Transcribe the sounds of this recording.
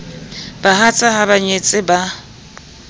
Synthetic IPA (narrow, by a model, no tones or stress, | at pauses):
b̥aɦat͡sʼaɦabaɲet͡sʼɪba